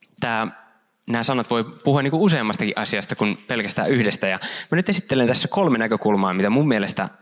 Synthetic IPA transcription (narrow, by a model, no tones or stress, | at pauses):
t̪æː | næːsɑnɑt̪ʋoipuhuɑnːiːŋkuuseːmːɑst̪ɑkḭʔɑsiɑst̪ɑkunpelkæst̪æ̰ːyhdest̪æjɑmænyt̪esit̪ːelent̪æsːækolmenækøkulmɑːmit̪æmumːielest̪æ̰